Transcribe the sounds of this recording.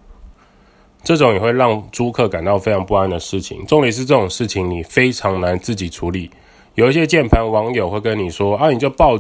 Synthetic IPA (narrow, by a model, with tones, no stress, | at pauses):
ʈ͡ʂɤ˥˩ʈ͡ʂʊ˨˦ŋjɛ˨˩xwe˥˧ɪɻɑ˥˧ŋʈ͡ʂu˦˥kʰɤ˥˩ka˨˩nt̪ɑ˥˩ʊfe˥ɪʈ͡ʂʰɑ˧˥ŋpu˥˧a˥˩nd̪ə˩ʂɻ̩˥˩t͡ɕʰḭ˨˦ŋʈ͡ʂo˥˧ŋli˨˩ʂ̬ɻ̩˥˧ʈ͡ʂɤ˥˩ʈ͡ʂʊ˨˩ŋʂɻ̩˥˩t͡ɕʰi˨˦ŋni˨˩fe˥ɪʈ͡ʂʰɑ˧˥ŋna˧˦nt͡sɹ̩˥˩t͡ɕi˨˩ʈ͡ʂʰu˨˦˥li˨˩˦ | jo˨˩ʊi˥˩ɕjɛ˦˥t͡ɕjɛ˥˨npʰa˧˥nwɑ˧˥ŋjo˨˩xwe˥˧ɪkə˦nni˨˩ʂwɔ˥a˥˨ni˨˩t͡ɕjo˥˧ʊpɑ˥˨ʊ